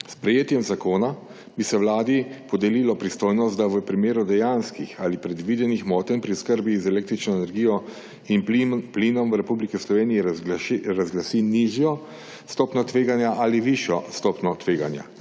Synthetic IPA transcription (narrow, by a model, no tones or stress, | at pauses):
spɾɛjeːt̪jɛmzakoːna | bisɛʋwlaːd̪ipɔd̪ɛlilɔpɾist̪oːjnɔst̪̚d̪aʋəpɾimeːɾud̪ɛjanskixalipɾɛd̪ʋiːd̪ɛnixmɔːt̪ɛnpɾiskəɾbizɛleːk̚t̪ɾit͡ʃnɔɛnɛɾɡijɔ | inpliːnɔmwɾɛpublikɛslɔʋeːnijɛɾazɡlasiniʒjɔ | st̪ɔːpnɔt̪ʋeːɡanjaʔaliʋiʃjɔst̪ɔːpnɔt̪ʋeːɡanja̰